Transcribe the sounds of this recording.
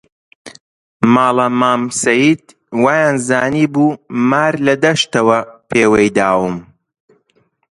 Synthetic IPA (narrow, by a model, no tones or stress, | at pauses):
maːlɐmaːmsɐjiːd̪̚ | waːjaːnzaːniːbuːmaːɾlɐd̪ɐʃt̪ɐwɐpʰeːwejd̪aːwɨm